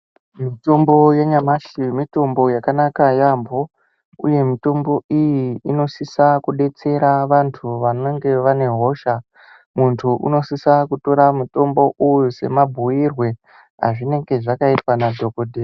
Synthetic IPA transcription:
mito̞mbo̞jeɲamaʃimito̞mbo̞jakanakajambʱo̞ | ṵje̞mito̞mbo̞ijiino̞sisakuɗe̞t͡se̞ɾaʋantʰuʋanoŋɡe̞ʋane̞ɦo̞ʃa | muntʰuʔṵno̞sisakuto̞ɾamuto̞mbo̞ʔujuse̞̰mabʱuirwe̞ | ɦa̰ʐine̞ŋɡe̞ʐakaitwanadʱo̞kodʱe

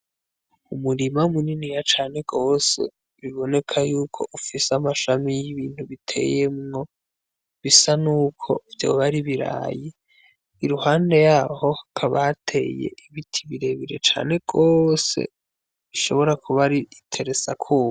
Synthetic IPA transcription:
umuɾimaumuninijat͡ʃaːn̥e̞ɡo̞ːse̞̰ | βiβo̞ne̞kʰajuːkʰo̞̰ʔufiseamaʃamijiβiːn̥huβitʰe̞̰je̞mŋo̞ | βisanuːkʰo̞̰vjo̞̰βaɾiβiɾa̰ːji | iɾuhaːnde̞jaːho̞akʰaβatʰe̞̰je̞̰iβitʰiβiɾe̞βiɾet͡ʃa̰ːne̞ɡ̥o̞ːse̞̰ | βiʃo̞̰βo̞ɾakʰuβaɾitʰe̞ɾe̞t͡sakʰuːβ

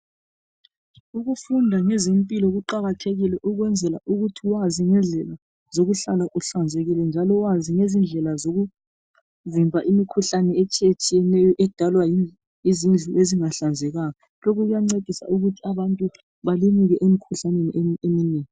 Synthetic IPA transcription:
uɣufundʱaŋɛzempʼilɔɣuǃaɣatʰeɣilɛʔuɣwɛnd͡zʱɛla̰ʔuɣutʰiwaziŋɛnɮʱɛla | zoɣuɬalaʔuɬand͡zʱeɣilɛnd͡ʒʱalɔwaziŋezind͡ɮʱɛlazoɣu | vimbʱaʔimikʰuɬanɛet͡ʃʼiet͡ʃʼijɛnɛjɔʔɛd̥ʱalwaji | izind͡ɮʱuʔeziŋaɬand͡zʱɛɣaːkɔ | lokʰuɣujaŋ͡ǀed̥ʱisa̰uɣutʰiaβantʼu | βalimiɣɛʔemikʰuɬaneniʔeemineːŋi

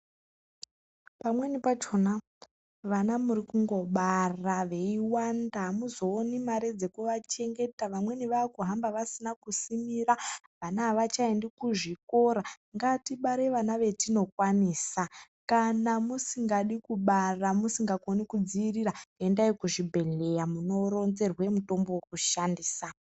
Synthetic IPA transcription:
pamwe̞nipat͡ʃona | ʋanamuɾikuŋɡo̞ɓaraʋe̞iwandaɦmuzo̞ːnimaɾed͡ze̞kuʋat͡ʃe̞ŋɡe̞taʋamwe̞niʋaːkuɦambaʋasinakusimiɾa | ʋanaʋat͡ʃaendikuʐiko̞ɾa | ŋɡatiɓaɾeʋanaʋe̞tino̞kwaniːsa | kanamusiŋɡaɗikuɓaramusiŋɡakonikud͡ziirirae̞ndaikuʐibʱe̞ɮe̞jamuno̞ɾo̞nze̞rwe̞muto̞mbo̞wokuʃandiːsa

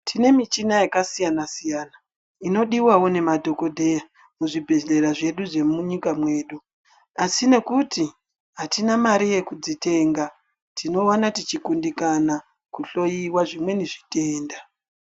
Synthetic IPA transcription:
tʰine̞mit͡ʃinajakasijanasijaːna | ino̞ɗiwawo̞ne̞madʱo̞ko̞dʱe̞ja | muʐibʱeɮe̞ɾaʐe̞ɗuʐe̞muɲikamwe̞ːɗu | asine̞kuti | ɦatinamaɾije̞kud͡zite̞ːŋɡa | tino̞anatit͡ʃikundikana | kuɬo̞jiwaʐimwe̞neʐite̞ːnda

